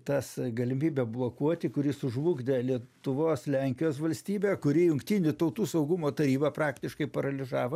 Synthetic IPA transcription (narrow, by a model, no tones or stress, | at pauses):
t̪ɐsɡɐlʲɪmʲiːbʲɛblˠoːkuɔt̪ʲɪkʊɾʲɪsʊʒʋuːɡd̪ʲɛlʲiɛt̪ʊʋoːslʲɛŋʲkʲɪjoːsʋɐlʲsʲt̪ʲiːbʲɛːkʊɾʲijʊŋkt̪ʲiːnʲɪt̪ɐʊt̪uːsɐʊɡʊmoːt̪ɐɾʲiːbɐprɑːkt̪ʲɪʃkɐɪpɐɾɐlʲɪzɑːʋɐ